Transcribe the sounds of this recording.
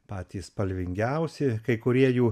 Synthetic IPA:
pɑːt̪ʲiːspɐlʲʋʲɪŋʲɡʲɛʊsʲɪkɐɪkʊɾʲiɛjuː

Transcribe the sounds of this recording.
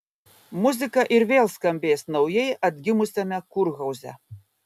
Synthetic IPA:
mʊzʲɪkɐʔɪɾʋʲeːlˠskɐmʲbʲeːsnɐʊjɛjɐd̪ʲɡʲɪmʊsʲɛmʲɛkʊɾɣɐwzʲɛ̰

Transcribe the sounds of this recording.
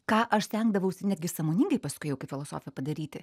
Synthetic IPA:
kɑːʔɐʃsʲt̪ʲɛŋɡd̪ɐʋɐʊnʲæt̪d̪ʲɡʲɪsɑːmoːnʲɪŋɡɐɪpɐskʊɪjɛʊkɐɪfʲɪlˠoːso̰ːfʲɪjɛpɐd̪ɐɾʲiːt̪ʲɪ

